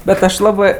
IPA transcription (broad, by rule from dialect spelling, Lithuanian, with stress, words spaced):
ˈbʲɛt ˈɐʃ ˈlˠɑːbɜ